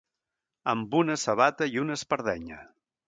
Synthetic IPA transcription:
əmbunəsəβat̪əiunəspəɾðɛɲə̰

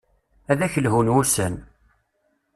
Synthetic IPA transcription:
æðæçəlɦunwusən

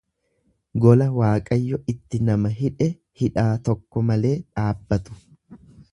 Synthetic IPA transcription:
ɡɔlɐwaːkʼɐjːɔɪt̪ːɪnɐmɐɦɪᶑɛ | hɪᶑaːt̪ɔkːɔmɐle̞ːᶑaːbːɐt̪ʊ̥

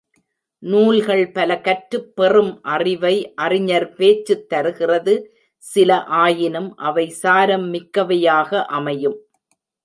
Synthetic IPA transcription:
nuːlɣɐɭpɐlɐkɐʈɾɯpːɛrɯmʔɐrɪʋɐɪʔɐrɪɲɐɾpeːt͡ʃːɯt̪ːɐɾɯɣɪrɐðɯ | sɪlɐʔaːjɪnɯmʔɐʋɐɪsaːɾɐmːɪkːɐʋɐjaːɣɐʔɐmɐjɯm

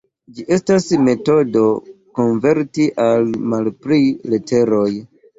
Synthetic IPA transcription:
d͡ʒiʔe̞stasme̞to̞do̞ko̞nve̞ɾtiʔalmalpɾiletʰe̞ɾo̞j

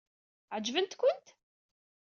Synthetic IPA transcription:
ʕəd͡ʒvənt̪kʷʊnt̪

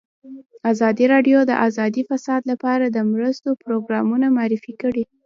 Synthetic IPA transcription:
azɑd̪iɾɑɖjod̪ə̰ʔazɑd̪ifasɑd̪lapɑɾad̪əmɾəst̪opɾoɡɾɑmunamɑɾɪfikəɽi

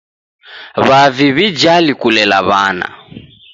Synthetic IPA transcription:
βaviβid͡ʒalikulɛla̰βa̰ːna̰

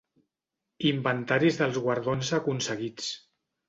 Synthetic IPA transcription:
imbənt̪aɾizðəlˠzɣwaɾðonzəkunsəɣit͡s

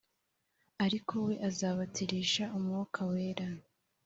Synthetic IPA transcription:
aɾikʰo̞we̞ʔazaːβatiɾiːʃaʔumŋokʰawe̞ːɾa

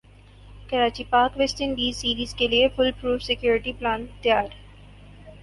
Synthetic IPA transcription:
kɐɾaːt͡ʃipaːɾkʋesʈ̪ənbiːsiːɾiːzkeliefʊlpɾuːfsɪkjoːɾɪʈiplaːnt̪jaːɾ

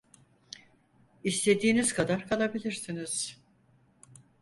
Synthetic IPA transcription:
ist̪ʰe̞d̪iːnizkʰad̪aɾkʰalˠabilʲiɾsiniz̥

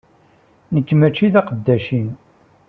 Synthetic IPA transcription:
nəkːmæt͡ʃːiðɑqəd̪ːæʃin

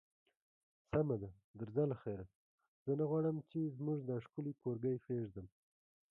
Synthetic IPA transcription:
samad̪a | d̪ɪɾzalaxeɾa | z̥ənaɣwɑɽəmt͡ʃezmuʐd̪aʂkʊlikoɾɡəjfeʐd̪əm

